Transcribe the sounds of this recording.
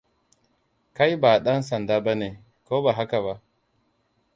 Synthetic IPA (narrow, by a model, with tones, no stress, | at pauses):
ka˦jba˨ɗɐ˦nsɐ˨ndaː˦ba˦neː˨ | koː˦baː˨ɦa˦ka˨βa˦ʔ